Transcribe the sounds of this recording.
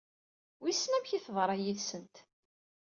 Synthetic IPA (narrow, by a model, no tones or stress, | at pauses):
wisnæmçiθðˤɾˤɑjiðsənt̪